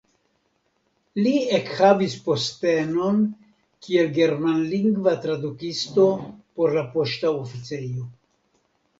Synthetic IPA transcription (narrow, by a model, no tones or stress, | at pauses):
liekhavispo̞ste̞no̞n | kielɡe̞ɾmanliŋɡvat̪ɾad̪ukisto̞po̞ɾlapo̞ʃtaofit͡sejo